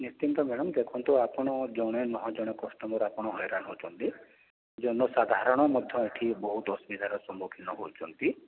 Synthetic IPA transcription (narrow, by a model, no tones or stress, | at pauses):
nist̪int̪ɔmeɽ̃ɔmd̪ekʰɔnt̪uapɔɽ̃ɔd͡ʒɔɽ̃enɔɦɔ̃d͡ʒɔɽ̃ekɔsʈɔmɔɾapɔɽ̃ɔɦɔjɾanɦowt͡ʃʰɔnt̪i | d͡ʒɔnɔsad̪ʱaɾɔɽ̃ɔmɔd̪ʱjɔ̃eʈʰibɔɦut̪ɔsmid̪ʱaɾɔsɔmbukʰinːɔɦowt͡ʃʰɔnt̪i